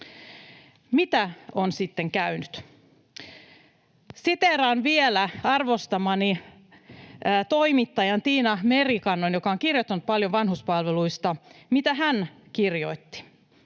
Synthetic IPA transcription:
mit̪æonsit̪ːeŋkæynyt̪ | sit̪eɾɑnʋielæɑrʋost̪ɑmɑni | t̪o̞imit̪ːɑjɑnt̪iːnɑmerikɑnːonjokɑoŋkirjot̪ːɑnut̪̚pɑljoʋʋɑnɦuspɑlʋeluist̪ɑmit̪æɦæn | kirjo̞̰it̪ːi̥

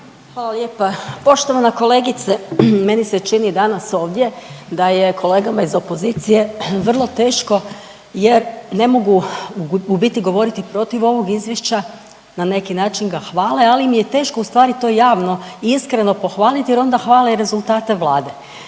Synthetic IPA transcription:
xʋaːlˠaljeːpapo̞ʃt̪oʋanako̞le̞ːɡit̪seme̞niset͡ʃinid̪anaso̞ːʋd̪je̞d̪aje̞kʰo̞le̞ːɡamaizo̞po̞zit̪sije̞ʋr̩lˠo̞t̪e̞ːʃko̞ | jeɾne̞mo̞ɡu | ubit̪iɡo̞ʋo̞ɾit̪ipɾo̞t̪iʋo̞ʋo̞ɡizjeʃt͡ɕa | nane̞kinaːt͡ʃinɡaxʋaːlealimijet̪e̞ːʃko̞ust̪ʋaːɾit̪o̞ːjaːʋno̞iiskɾe̞no̞po̞xʋaːlit̪ijɛɾo̞nd̪axʋaːleiɾe̞zulˠt̪aːt̪e̞ʋlˠaːd̪e̞

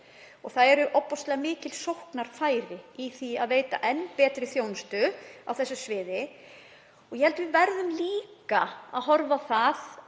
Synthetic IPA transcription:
ɔɣθaðɛɾʏʔɔpːɔst̪lɛɣamɪːcɪlsowhknaɾ̥faːjɾɪiθiaðveːjt̪a̰ʔɛnːpɛːt̪ɾɪθjownst̪ʏawθɛsːʏsvɪːðɪ | ɔɣjɛhɛlt̪ʏvɪðvɛɾðʏmliːkaa̰ðɦɔɾvaθað

